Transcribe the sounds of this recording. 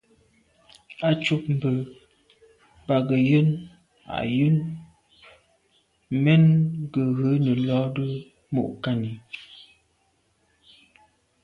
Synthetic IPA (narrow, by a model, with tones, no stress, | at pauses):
a˦t͡ʃu˦p̚m̩˨bə˨ | ba˨ɡə˨jə˦n | a̰˨ʔjə˦n | mɛ˦nɡə˨ɣə˨˦nə˨lɔ˨˦də˦ | mo̰˦˨ʔka˦ni˨